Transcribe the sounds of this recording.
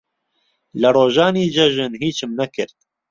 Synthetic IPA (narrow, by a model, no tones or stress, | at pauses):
lɨroːʒɑːniːd͡ʒɐʒɨnɦiːt͡ʃʰɨmnɐkɨɾt̪̚